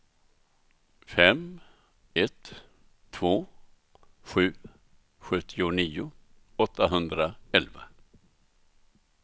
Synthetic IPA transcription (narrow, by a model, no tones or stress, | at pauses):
fɛm | ɛt̪ʰː | voː | ɧʉ̟ː | ɧɵt̪ʰːɪʊniːʊ | ɔt̪ːaɦɵnd̪ɾaɛlva̰